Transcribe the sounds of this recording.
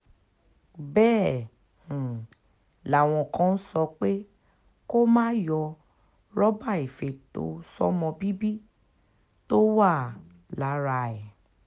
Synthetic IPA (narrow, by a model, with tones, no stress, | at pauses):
bɛ̃˦˨ | la˨w̃ɔ̃˧˨kã˨˦˧n̩˦sɔ˧k͡pe˦ | ko˦mãː˦jɔ˧ | ɾɔ˦ba˦˨i˨fe˨to̰˨˦sɔ̰˦mɔ̃˧bi˦bi˦ | to˦wa˦˨ | la˨˦ɾa˧ɛ˨